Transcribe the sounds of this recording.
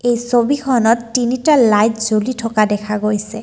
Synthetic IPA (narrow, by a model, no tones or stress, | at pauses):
ejsobikʰɔnɔtːinitalːajtzolitʰɔkadɛkʰaɡojsɛ